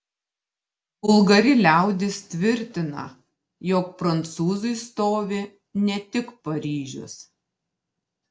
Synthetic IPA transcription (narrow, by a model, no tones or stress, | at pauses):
ʊlˠɡɐɾʲɪlʲæˑʊd̪ʲɪst̪ʲʋʲɪɾʲt̪ʲɪnɐ̰ | joːk̚pɾɐnt̪suːzʊɪst̪oːʋʲe | nʲɛt̪ʲɪkpɐɾʲiːʒʲʊ̰s